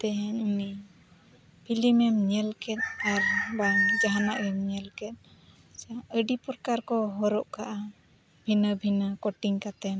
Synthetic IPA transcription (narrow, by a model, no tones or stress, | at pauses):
t̪ɛɦɛɲuni | pʰilimɛmɲɛlkɛt̪̚aɾbaŋd͡ʒaɦanaʔɛmɲɛlkɛt̪̚ | saəɖipɔɾkaɾkɔɦɔɾɔʔkaʔa | bʱinəbʱinəkɔʈiŋkat̪ɛm